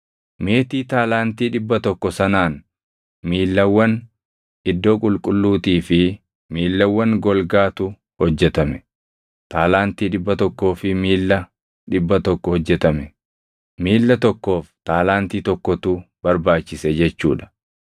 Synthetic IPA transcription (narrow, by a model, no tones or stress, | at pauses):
me̞ːt̪iːt̪aːlaːnt̪iːᶑɪbːɐt̪ɔkːɔsɐnaːn | miːlːɐwːɐn | ɪd̪ːo̞ːkʼʊlkʼʊlːuːt̪iːfɪ | miːlːɐwːɐŋɡɔlɡaːt̪ʊ | hɔd͡ʒːɛt̪ɐmɛ | t̪aːlaːnt̪iːᶑɪbːɐt̪ɔkːo̞ːfɪmiːlːɐ | ᶑɪbːɐt̪ɔkːɔhɔd͡ʒːɛt̪ɐmɛ | miːlːɐt̪ɔkːo̞ːft̪aːlaːnt̪iːt̪ɔkːɔt̪ub̥ɐɾbaːt͡ʃːɪsɛd͡ʒɛt͡ʃːuːᶑɐ̥